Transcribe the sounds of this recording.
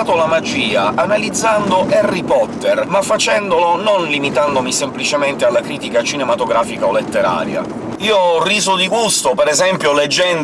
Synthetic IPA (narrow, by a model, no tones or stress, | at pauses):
t̪olamad͡ʒiːaʔanalid̪zːand̪oʔɛrːipɔt̪ːermafːat͡ʃɛnd̪olononlimit̪and̪omisemplit͡ʃement̪ealːakɾiːt̪ikat͡ʃinɛmat̪oɡɾaːfikaolːet̪ːeɾa̰ːɾja̰ | iːoriːzod̪iɡust̪opɛɾɛzɛmpjoled͡ʒːɛn